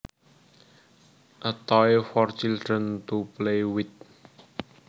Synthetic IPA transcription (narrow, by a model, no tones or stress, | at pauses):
ʔət̪ɔjfɔrt͡ɕildɾənt̪uplewit̪̚